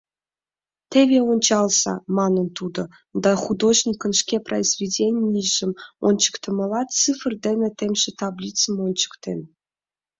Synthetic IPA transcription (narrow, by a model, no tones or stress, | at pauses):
t̪ʲevʲeonʲt͡ɕɑlˠzɑ̰mɑnɤ̆nt̪ud̪ɤ̆ | d̪ɑχud̪oʑnʲikə̆nʂkʲeprʔəizvʲidʲenʲiiʒɘ̆monʲt͡ɕə̥kt̪ɤ̆mɤ̆lˠɑt̪t͡sɨfrd̪ʲenʲĕt̪ʲemʲʒĕt̪ɑblʲit̪t͡sə̆monʲt͡ɕə̥kt̪ʲḛnʲ